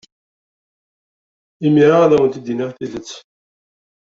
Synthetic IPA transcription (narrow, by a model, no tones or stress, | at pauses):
imiɾaaðæwənt̪id̪iniʁθiðət͡sː